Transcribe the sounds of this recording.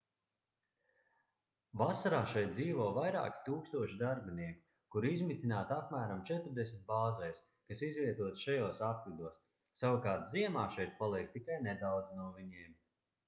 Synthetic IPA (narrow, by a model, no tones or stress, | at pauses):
vasaɾaːʃɛjt̪̚d̪ziːvɔɔvajɾa̰ːkʲi̥t̪uːkst̪uɔʃid̪aɾbiniɛku̥ | kuɾizmit̪ʲinaːt̪apmæːɾamt͡ʃɛt̪ɾd̪ɛsʲmʲit̪̚baːzɛjs | kasizvʲiɛt̪uɔt̪ʃajoːsat̪̚klid̪uɔs | savakaːɾt̪ziɛmaːʃɛjt̪̚palˠiɛk̚t̪ikajnɛd̪awd̪znuɔviɲiːm